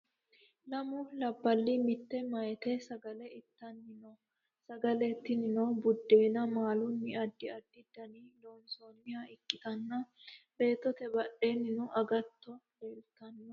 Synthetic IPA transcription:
lɐmʊlɐbːɐlːɪmɪt̪ːɛmɐjɛt̪ɛsɐɡɐlɛɪt̪ːɐnːɪnɔ | sɐɡɐlɛt̪ːɪnɪnɔbʊd̪ːeːnɐmaːlʊnːɪɐd̪ːɪɐd̪ːɪd̪ɐniloːnsoːnːɪjaɪkːɪt̪ɐnːɐbe̞ːt̪ːɔt̪ɛbɐʔeːnːɪnʊʔɐɡɐt̪ːɔleːlt̪ɐnː

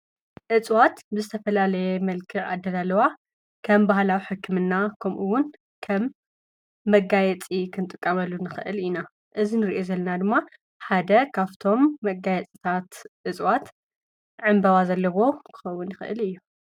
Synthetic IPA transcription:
ʔɨt͡sʼwat̪bɨzɨt̪ʰɐfɐlalɐjɛmɐlkʰɨʔa̰d̪ːɐlalɐwa | kʰɐmbahlawiħɨkʰːɨmɨnːakʰɐmʔuwːʊn | kʰɐmː | ɐɡajɛt͡sʼikʰɨnt̪ʼɨkʼːɐmɐlːunɨxɨʔɨ̰lina | ʔɨzinɨɾiʔozɐlːɐnad̪ɨmːa | ħad̪ɐkʰaβt̪ʰo̞mːɐɡajɛt͡sʼit̪ʰat̪ʔɨt͡sʼwat̪ | ʕɨmbɐβazɐlːɐwo̞kʰɨ̥xɐwːʊnjɪxɨʔɨ̰lɨjːu

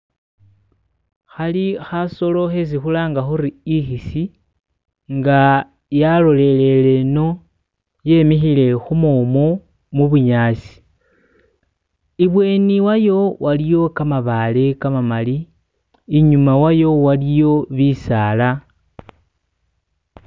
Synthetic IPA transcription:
xalixaso̞lo̞xes̬ixulaːŋɡaxuɾiixisi | ŋɡa | jalo̞le̞le̞le̞no̞ | je̞mixile̞xumoːmo | muβuɲaːsi̥ | iβwe̞ːniwajo̞wʔalijo̞kamaβalekamamaliː | ɲumawajo̞walijo̞βisaːla

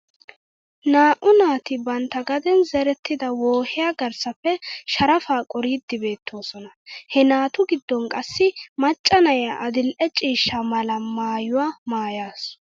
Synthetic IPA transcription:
naːʔʊnaːt̪ɪbɐnt̪ːɐɡɐd̪ɛnzɛɾɛt̪ːɪd̪ɐwoːhɪjaːɡɐɾsɐfːɛʃɐɾɐfaːkʼɔɾiːd̪ːɪbe̞ːt̪ʰːo̞ːsɔnɐhɛnaːt̪ʊɡɪd̪ːɔŋkʼɐsːɪmɐt͡ʃʼːɐnɐjaʔɐd̪ɪlʔɛt͡ʃʼiːʃːɐmɐlɐmaːjʊwaːmaːjaːs

